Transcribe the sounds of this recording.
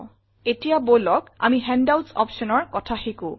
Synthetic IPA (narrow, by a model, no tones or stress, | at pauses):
etijabolɔka̰miɦɛndawtsɔ̰psɔnɔɹkɔtʰaxikʊ̃